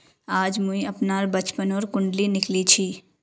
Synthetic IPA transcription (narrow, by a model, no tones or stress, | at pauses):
aːd͡ʒmũiəpnaɾbət͡ʃpənoːɾkʊɳɖlinɪklit͡ʃʰi